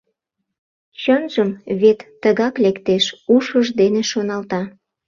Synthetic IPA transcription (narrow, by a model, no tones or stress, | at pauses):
t͡ɕənʒəmβet̪ːəɣɑklekt̪eʃuʃəʒd̪eneʃonɑlt̪ɑ